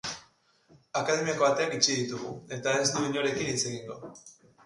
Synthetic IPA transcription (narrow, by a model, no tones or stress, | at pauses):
akað̞e̞miakoat̪e̞anit͡ʃiðit̪uɣ̞ṵe̞t̪ae̞zd̪uiɲo̞ɾe̞kinit͡se̞ɣiŋɡo̞